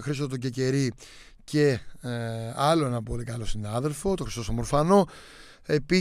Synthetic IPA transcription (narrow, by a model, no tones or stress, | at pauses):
xɾisot̪t̪oɟece̞ɾi | ce̞ | ɐlo̞e̞nɐpolikɐlo̞sinɐðe̞lfo̞t̪o̞xɾist̪osɐmoɾfɐno̞ | e̞pi